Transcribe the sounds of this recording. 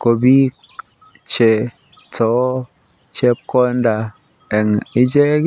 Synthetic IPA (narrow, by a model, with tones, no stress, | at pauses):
ko˨bi˦ | t͡ʃe˧ | t͡sɔ˨˦ | t͡ʃe˦p̚kɔ˦nda˧ | ɛ˨ŋi˦d͡ʒe˦